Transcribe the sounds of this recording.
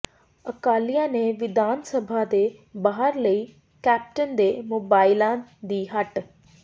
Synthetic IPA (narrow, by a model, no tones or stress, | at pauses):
əkaːlijãːneːʋɪd̪ʱaːnsəbʱaːd̪eːbaːɦəɾləiː | kɛːp̚ʈənd̪eːmoːbaːɪlãːd̪iːɦəʈ